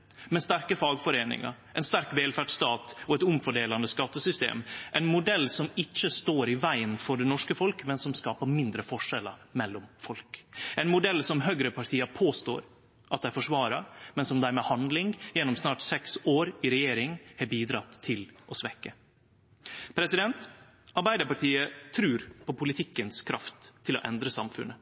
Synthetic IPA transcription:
mɛnst̪æɾkəfɑːɡfɔɾeːnɪ̰ŋɑ̰ɾ | ɛɪnst̪æɾkʋeːlfæɖst̪ɑːt̪ɔɛt̪ʊmfɔɖeːlɑnd̪əskɑt̪ːəsʏst̪ḛːmʔɛnmʊd̪ɛlːsɔmɪt͡ʃːəst̪oːɾɪʋæɪənfɔɖɛnɔʂkəfɔlkmɛnsɔmskɑːpəmɪnd̪ɾəfɔʂɛlə̰mɛlːɔmfɔlkʔɛɪnmʊd̪ɛlːsɔmɦœɡɾəpʰɑʈʰiːɑpʰoːst̪o̰ːɾ | ʔɑt̪̚d̪ɛæɾfɔʂʋɑːɾɑmɛnsɔmd̪æɾmɛhɑnd̪lɪŋjɛnːɔmsnɑːʈsɛksoːɾɪɾɛjeːɾɪŋhɛbiːd̪ɾɑt̪ʰːɪlʔɔsʋɛkːə | pʰɾɛsɪd̪ɛnt̪ | ɑɾbæɪd̪əɾpɑʈiːət̪ʰɾʉːɾpʰɔpʊlɪt̪ʰɪkːənskʰɾɑft̪ʰːɪlɔ̰ʔɛ̰nd̪ɾəsɑmfʉ̰nːə

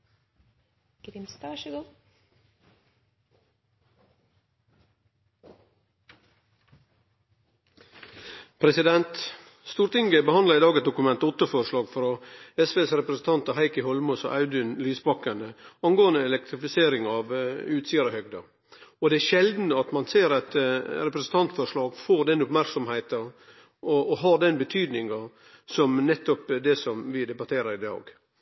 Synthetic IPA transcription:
ɡ̥ɾɪmst̪ɡ | pʰɾɛsɪd̪ɛnt̪ | st̪uːɾt̪ɪŋɡəbəhɑnd̪lɑɾiːd̪ɑːɡəs̚d̪ʊkʉmɛnt̪ɔt̪ːəfɔɾʂlɑːɡfɾoːɛsʋeːsɾɛpɾəsn̩t̪ʰɑnt̪ɑhæɪkəhɔlmɔsɔ̰ʔɑʉd̪ʏnlyːsbɑkənəɑnɡoːənd̪əɛlɛk̚t̪ʰɾɪfɪseːɾɪŋɑʋʉːt̪siːɑɾɔhœɡ̚d̪ɑ | ɔd̪ɛæɾʃɛld̪n̩ɑt̪mɑnseːɾɑt̪ɾɛpɾɛsən̩t̪ɑnt̪fɔɾʂɭɑːɡfoːɾd̪ɛnʊpmæɾksɔmhæɪt̪ɑ | ɔɔɦɑɾɖɛnbət̪ʰyːd̪nɪŋɑ | sɔmnɛt̪ːɔpd̪ɛsɔmʋɪd̪ɛbɑt̪ʰeːɾɑɾɪd̪ɑ̰ːɡ

